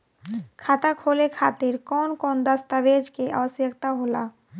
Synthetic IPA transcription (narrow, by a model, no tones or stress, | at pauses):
kʰat̪akʰolekʰat̪iɾkɔnkɔnd̪ast̪abed͡ʑkeʔa̰sjəkt̪aɦola